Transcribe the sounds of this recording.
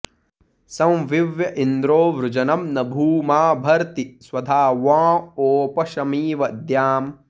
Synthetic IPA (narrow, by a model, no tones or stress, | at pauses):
sɐ̃wʋiʋjɐʔind̪ɾoːʋɾʊd͡ʒɐnɐmnɐbʱuːmaːbʱɐɾt̪iswɐd̪ʱaːʋãːoːpɐʃɐmiːʋɐd̪jaːm